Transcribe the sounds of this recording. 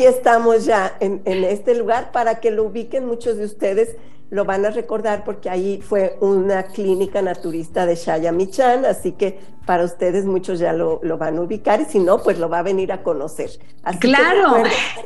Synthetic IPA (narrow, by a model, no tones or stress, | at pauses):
ie̞st̪amo̞zʝaenenest̪e̞luɣaɾpaɾake̞louβike̞nmut͡ʃo̞zðeust̪e̞ðe̞s | lo̞βanare̞ko̞ɾðaɾpo̞ɾkeaifwe̞unaklinikanat̪uɾist̪aðe̞ʃaʝamit͡ʃanasike̞ | paɾaust̪e̞ðe̞zmut͡ʃo̞zʝalolo̞βanauβikaɾisino̞pwe̞zlo̞βaβe̞niɾako̞no̞se̞̰ɾ | a̰slaeeɾoweɾo